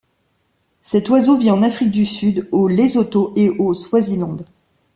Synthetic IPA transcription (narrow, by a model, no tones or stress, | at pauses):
sɛt̪wazovjiɑ̃nafχik̚d̪ysyd̪olezot̪oʔeʔoswazilɑ̃d̪